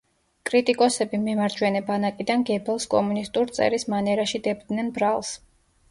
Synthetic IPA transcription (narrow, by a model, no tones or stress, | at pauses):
kʼɾit̪ʼikʼɔsɛbimɛmaɾd͡ʒwɛnɛbanakʼid̪anɡɛbɛlˠskʼɔ̰munist̪ʼuɾt̪sʼɛ̰ɾismanɛɾaʃid̪ɛbd̪nɛnbɾalˠs